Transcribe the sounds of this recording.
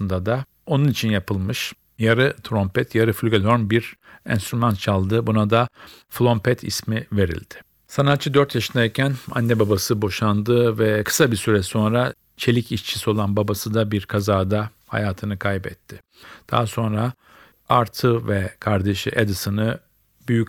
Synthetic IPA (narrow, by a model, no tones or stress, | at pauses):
sɯnd̪ad̪a | o̞nunit͡ʃʰinjapʰɯlˠmɯʃ | jaɾɯt̪ʰɾompʰɛt̪ʰjaɾɯfylʲɡolʲo̞ɾmbiɾɛ̰nst̪ɾymant̪̚t͡ʃʰalˠd̪ɯbunad̪a | flʲˠo̞mpʰɛt̪ʰḭsmive̞ɾḭlʲd̪̥ɪ̥ | sanat̪t͡ʃʰɯd̪øɾt̪ʰjaʃɯnd̪aicʰæna̰nːɛbabasɯbo̞ʃand̪ɯvɛkʰɯ̥sabisyɾɛso̞nɾa | t͡ʃʰe̞lʲiciʃt͡ʃʰi̥sio̞lˠanbabasɯd̪abiɾkʰazaːd̪a | ha̰jaːt̪ʰɯnɯkʰajbɛ̰t̪ʰːɪ | d̪̥a̰ːaso̞nɾa | aɾt̪ʰɯvɛkʰaɾd̪e̞ʃḭʔed̪ɯsɯnɯ | byjycʲ